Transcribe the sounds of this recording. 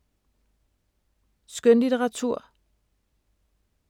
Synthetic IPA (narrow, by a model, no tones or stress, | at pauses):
sɡ̥ønlidʰeʁɑ̈t͡sʰuɐ̰